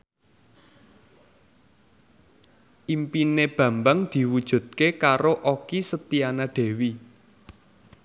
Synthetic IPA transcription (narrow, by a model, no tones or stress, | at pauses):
ʔimpineb̥ä̤mbaŋd̪̥i̤wud̥ʒ̥ṳt̪̚kekaɾoʔokisət̪ianaɖ̪̥e̤wi